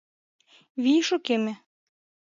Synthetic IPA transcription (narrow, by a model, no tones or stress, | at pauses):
βiʃokemɘ̆